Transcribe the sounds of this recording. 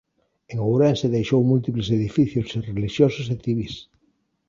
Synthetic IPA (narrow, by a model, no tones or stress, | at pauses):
eŋowɾenseðejʃowmult̪ipleseðifiθjosreliʃjososeθiβis